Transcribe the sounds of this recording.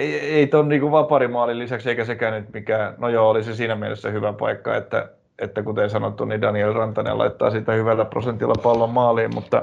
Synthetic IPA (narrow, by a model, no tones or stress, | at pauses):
eeit̪onniːkuʋʋɑpɑrimɑːlillisækseikæsekæːnyt̪mikæːnojoolisesiːnæmielesːæhyʋæpɑ̰ikːɑ̰ḛt̪ːæ̰ | et̪ːækut̪ensɑnot̪ːunidɑnielrɑnt̪ɑnḛːlɑ̰it̪ːɑ̰ːsiːt̪æhyʋælːæpro̰sent̪ilːɑpɑlːommɑːlˑiːmmut̪ːɑ̰